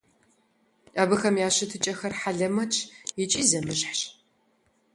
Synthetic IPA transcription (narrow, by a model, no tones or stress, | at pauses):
ɐbɨxɐmjaːɕɪtʰɨt͡ʃʼɐxɐrħaɮɐmɐt͡ʃʼjɪt͡ʃʼiːzɐmɨɕħɕ